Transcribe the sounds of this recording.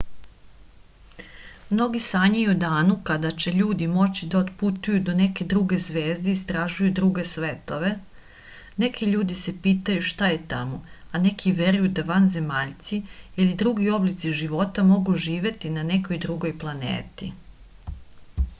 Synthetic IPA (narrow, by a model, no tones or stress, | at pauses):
mno̞ɡisaɲajud̪aːnukad̪at͡ɕe̞ʎuːd̪imo̞t͡ɕid̪aot̪put̪ujud̪one̞ke̞d̪ɾuɡe̞zʋe̞ːzd̪eist̪ɾaʒujud̪ɾuɡe̞sʋet̪o̞ʋe̞ | ne̞kʰiʎuːd̪ise̞piːt̪ajuʃt̪ajet̪amoane̞kʰiʋe̞ɾujud̪aʋanze̞maːʎt̪siilid̪ɾuɡio̞blit̪siʒiʋo̞t̪amo̞ɡuʒiːʋe̞t̪inane̞ko̞jd̪ɾuɡo̞jplˠanḛːt̪i